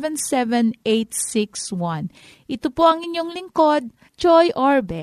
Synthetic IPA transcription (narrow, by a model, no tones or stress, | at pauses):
vɛnsɛvɛnʔejt̪sikswɐn | ʔɪt̪opoʔɐŋɪɲjo̞ŋlɪŋkod̪̚ | t͡ʃojʔoɹbɛ